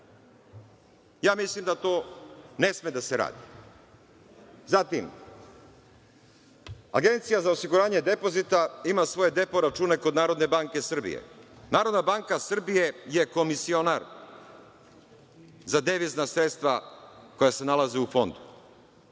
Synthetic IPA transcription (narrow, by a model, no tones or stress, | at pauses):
jaːmislimd̪at̪oːne̞smed̪aseɾa̰ːd̪i | zat̪im | a̰ɡe̞nt̪sijazaosiɡuɾaːɲe̞d̪e̞po̞zit̪aimasʋo̞je̞d̪e̞po̞ɾat͡ʃuːne̞ko̞d̪naːɾo̞d̪ne̞baŋke̞sr̩bḭjḛnaːɾo̞d̪nabaŋkasr̩bije̞je̞ko̞misio̞naɾ | zad̪eʋiznasɾet̪st̪ʋako̞jase̞nalazeufo̞nd̪u